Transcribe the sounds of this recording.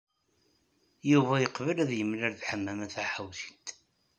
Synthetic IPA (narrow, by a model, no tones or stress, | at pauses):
juvæjəqvəlæðjəmːlæɾðħəmːæmæθaħəwθi̥t̪